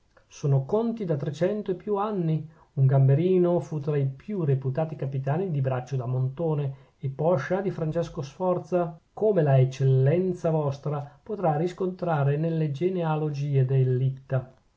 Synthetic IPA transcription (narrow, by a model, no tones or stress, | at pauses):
soːnokont̪id̪at̪ɾet͡ʃɛnt̪oepːjuanːi | uŋɡambeɾiːnofut̪ɾaipjureput̪aːt̪ikapit̪aːnid̪ibɾat͡ʃːod̪amont̪oːneː | pːɔʃːad̪ifɾant͡ʃɛskosfɔrt̪sakoːmelaet͡ʃːelːɛnt̪savɔst̪ɾapot̪ɾariskont̪ɾaːɾenelːed͡ʒenealod͡ʒiːed̪elːit̪ːa